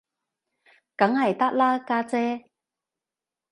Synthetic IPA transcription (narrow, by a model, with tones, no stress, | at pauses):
kɐ˨˥ŋhɐ˨˩jt̪ɐ˥k̚laː˥kaː˧t͡sɛː˥